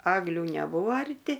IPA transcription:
ˈɑːɡlʲʊ nʲɛˈbuːoː ɐrʲˈtʲɪ

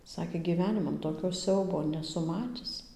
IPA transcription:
ˈsɑːkʲeː ɡʲiːˈʋʲæːnʲɪmɐn toːˈkʲoː ˈsʲɛʊboː nʲɛˈsʊ ˈmɑːtʲɪs

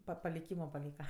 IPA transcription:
pɐ pɐlʲɪˈkʲiːmoː pɐˈlʲiːkɐ

